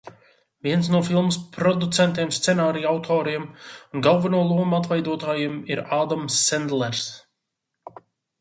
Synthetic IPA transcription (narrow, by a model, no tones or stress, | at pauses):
viɛnsnuɔfilˠməspɾɔd̪ut̪sɛnt̪iɛmst̪sɛnaːɾijawt̪ʰɔːɾiɛmunɡalˠvanuɔlˠuɔmat̪̬vɛjd̪uɔt̪aːjiɛmiɾaːd̪amsːɛnd̪lˠɛɾs